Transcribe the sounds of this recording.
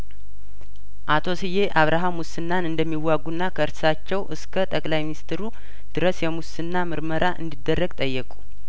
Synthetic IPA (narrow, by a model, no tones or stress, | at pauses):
ʔat̪ʰo̞sɨje̞ʔaβɾʔaɦamusɨnːanɨnd̪əmːiwaɡːunːakʰəɨɾssat͡ʃːɛwʔɨskʰət̪ʼəkʼlajminist̪ɾu | d̪̥ɨɾəsjɛmusɨnːamɨɾməɾaʔɨ̰nd̪id̪ːərːəɡt̪ʼəjːɛkʼu̥